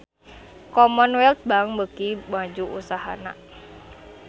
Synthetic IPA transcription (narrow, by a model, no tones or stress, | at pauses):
kɔmɔnwɛlt̪̚baŋbəkibad͡ʒuʔṵsaɦa̰na̰